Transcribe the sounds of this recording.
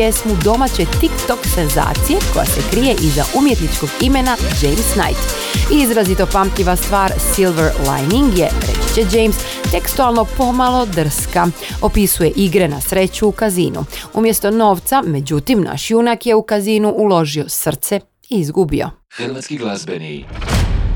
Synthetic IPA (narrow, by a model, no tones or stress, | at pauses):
esmud̪o̞mat͡ɕet̪ikt̪o̞kse̞nza̰ːt̪sije̞ko̞̰ja̰se̞kɾije̞ʔiza̰ʔumjet̪nit͡ʃko̞ɡime̞nad͡ʒe̞jmsna̰jt̪ | iizɾazit̪o̞pamt̪ʎiʋast̪ʋaːɾsilʋeɾla̰jniŋɡjeɾḛt͡ʃi̥t͡ɕed͡ʒe̞jms | t̪e̞kst̪ualˠno̞po̞malo̞d̪r̩skao̞pisuje̞ʔiɡɾe̞nasɾe̞t͡ɕuːkazḭːnṵṵmje̞st̪o̞no̞ːʋt̪same̞d͡ʑut̪imnʔa̰ʃjunakje̞ukaziːnuʔulo̞ʒio̞sr̩t̪se̞ | iizɡubio̰